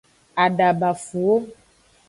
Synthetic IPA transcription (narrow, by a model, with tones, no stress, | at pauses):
a˨ɖa˨ba˨fu˨o˦